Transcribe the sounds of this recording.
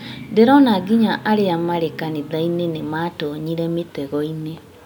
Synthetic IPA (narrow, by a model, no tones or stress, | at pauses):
deɾɔnaɡiɲaʔaɾeamaɾekaniðainenematɔɲiɾɛmetɛɣɔine